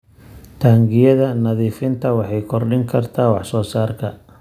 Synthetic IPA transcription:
t̪ʰaːŋɡɪjɐðɐnɐðiːfɪnt̪ʰɐwɑħɑjkʰɔrɖɪŋkʰɐrt̪ʰaːwɑħsɔːsaːrkʰɐ

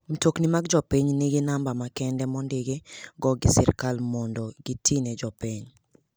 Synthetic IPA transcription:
m̩toknimaɡd͡ʒɔpiɲnɪɡɪnambamakɛndɛmɔndɪɡeɡɔɡɪsɪ̰rkalmɔndɔɡitʰined͡ʒɔpiɲ

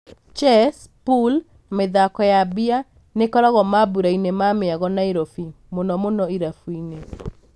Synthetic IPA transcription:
t͡ʃɛs | pul | meðakɔjabia | nekɔɾɔɣɔmabuɾainemameaɣɔnaiɾofi | monɔmonɔiɾafuine

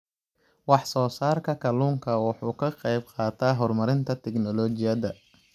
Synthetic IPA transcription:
wɑħsɔːsaːrkʰɐkʰɐluːŋkʰɐwɑħuːkʰɐqɛjb̚qɑːt̪ʰaːɦɔrmɐɾɪnt̪ʰɐt̪ʰɛknɔlɔːt͡ʃɪjɐdɐ

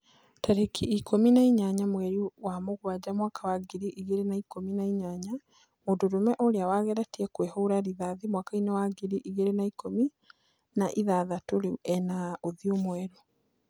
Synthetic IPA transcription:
taɾekʰiikʰominaiɲaɲamwɛɾiwamoɣwad͡ʑamwaːkawaɡiɾiʔiɣeɾenaikominaiɲaɲa | moːndoɾomɛʔoɾeawaɣɛɾatiɛkwehouɾaɾiðaðimwaːkainewaɡiɾiʔiɣeɾenaikomi | naʔiðaðatoɾeɛnaoðiomwɛɾo

